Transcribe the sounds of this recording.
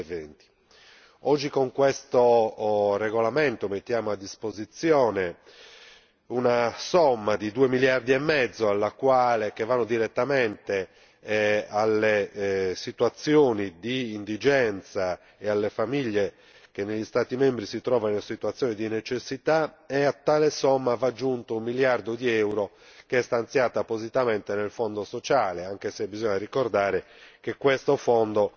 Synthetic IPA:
event̪i̥ | ɔd͡ʒːikoŋkwest̪o | reɣolament̪omet̪ːjaːmoad̪ːispozit̪sjɔːne | unasɔmːad̪id̪uemiljard̪iɛmːɛd̪zːoalːakwaːlek̟evːanːod̪iɾɛt̪ːamɛnt̪e | alːesit̪wat̪sjoːnid̪iːnd̪id͡ʒɛnt̪sa | ɛalːefamiʎːe | k̟enːeʎːist̪aːt̪imembɾisit̪ɾɔːvanesit̪wat̪sːjoːnid̪inet͡ʃesːit̪a | ɛat̪ːaːlesɔmːavad͡ʒːunt̪oummːiljard̪od̪iɛwɾo | keɛst̪ant̪sjaːt̪apozit̪ament̪enelfɔnd̪osot͡ʃaːleaŋkesebizɔɲːarikord̪aːɾe | k̟ekwest̪ofɔnd̪o

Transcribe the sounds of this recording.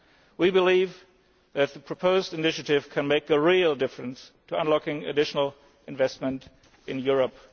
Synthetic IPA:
wibɨliv | ðɨt̪̚ðəpʰɹ̥əpʰoʊzdɨnɪʃɨɾɪv̥kʰɨ̃nmeɪkəɹilˠdɪfɹɨ̃nstʰəə̃nlɔkɪ̃ŋɨ̰dɪʃn̩l̩ˠ | ɨ̃nvɛst̚mə̃nt | ɨ̃njʊɹəp

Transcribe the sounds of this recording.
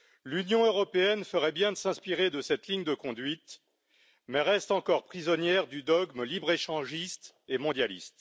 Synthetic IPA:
lynjɔ̃øʁɔpeɛnfəʁɛbjɛ̃d̪əsɛ̃spiʁed̪əsɛt̪liɲd̪əkɔ̃d̪ɥit̪ | mɛʁɛst̪ɑ̃kɔʁpχizɔnjɛʁd̪yd̪ɔɡmlibʁeʃɑ̃ʒist̪ | emɔ̃d̪jalist̪

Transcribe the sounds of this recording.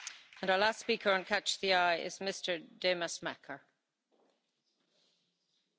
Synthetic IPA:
ə̃naəlastspiˑkʰəɹə̃nkʰat͡ʃðiaɪʔɪ̰zmɪstʰə˞deməsmakʰə˞

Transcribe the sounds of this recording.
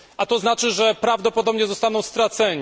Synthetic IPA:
ʔat̪ɔznat͡ʂɘʐɛpɾavd̪ɔpɔd̪ɔbɲɛzɔst̪anɔ̃w̃st̪ɾat̪sɛɲ

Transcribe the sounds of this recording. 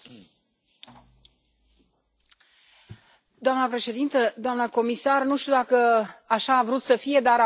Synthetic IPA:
d̪oamnəpɾe̞ʃe̞d̪int̪əd̪oamnəko̞misarnuʃt̪iud̪akəaʃaːvɾut̪səfije̞d̪aɾa

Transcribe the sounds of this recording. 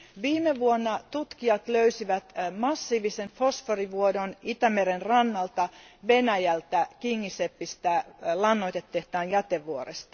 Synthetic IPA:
ʋiːmeʋuonːɑt̪ut̪kiɑt̪løysiʋæt̪mɑsːiːʋisenfosforiʋuodonit̪æmeɾenrɑnːɑlt̪ɑʋenæjælt̪ækiŋːisepːist̪ælɑnːoit̪et̪ːeht̪ɑːnjæt̪eʋʋuoɾest̪ɑ̥

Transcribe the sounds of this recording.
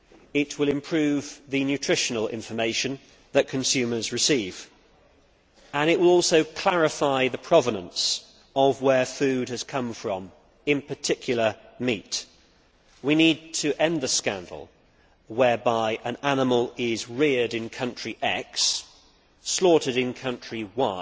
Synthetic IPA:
ɪt̚wɪlˠɪ̃mpʰɹ̥ʉvðɨnjʉtʰɹ̥ɪʃənəlˠɪ̰̃ɱfə˞meɪʃɨ̃n | ðɨt̚kʰɨ̃nsʉmə˞zɹɨsiːv | ə̃nɪʔwɪlˠɔˑlˠsoʊkʰl̥æɹɪfaɪðɨpʰɹ̥ɑvənə̃ns | əvwə˞fʉd̚ɨz̥kʰʌ̃ɱfɹə̃m | ɪ̃npʰə˞tʰɪkʰjl̩ˠə˞mit | winid̚tʰɨʔɛ̃nðəskæ̰̃ndˡl̩ˠ | wɛ˞baɪʔə̃nænəməlˠɪzɹɪəɾɨ̃nkʰʌ̃nt͡ʃɹ̥iʔɛksː | lɔˑɾɨɾɨ̃nkʰʌ̃nt͡ʃɹ̥iwa

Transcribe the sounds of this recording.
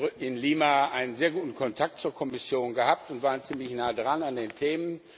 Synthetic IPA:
ɪnliːmaʔaɪnənzeːɐɡuːtn̩kʰɔntʰak̚tt͡suːɐkʰɔmɪsjoːnɡəhap̚tʊntv̥aːʁənt͡siːmlɪçnaːdʁanandeːntʰeːmən

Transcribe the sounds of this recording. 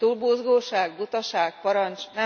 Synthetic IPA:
t̪uːlboːzɡoːʃaːɡbut̪ɒʃaːkpɒɾɒnt͡ʃnɛ

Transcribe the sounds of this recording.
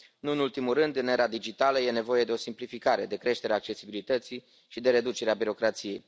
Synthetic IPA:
nuɨnult̪imulrɨnd̪ɨneɾad̪id͡ʒit̪aləje̞ne̞vo̞je̞d̪eo̞simplifikaɾe̞d̪e̞kɾe̞ʃt̪e̞ɾeaːk̚t͡ʃe̞sibilit̪ət̪si | ʃid̪e̞ɾe̞d̪ut͡ʃe̞ɾeabiɾo̞kɾat̪sije̞j

